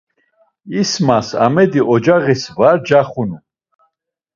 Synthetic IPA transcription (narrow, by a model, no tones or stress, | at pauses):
ismasa̰mɛd̪iʔɔd͡ʒaʁisvaɾd͡ʒaχunu